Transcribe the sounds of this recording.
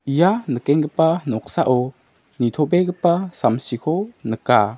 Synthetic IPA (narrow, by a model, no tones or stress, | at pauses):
ʔijanəkɛŋɡəpanɔk̚saʔɔ | nit̪ʰɔbɛkəpasamsikʰɔnəka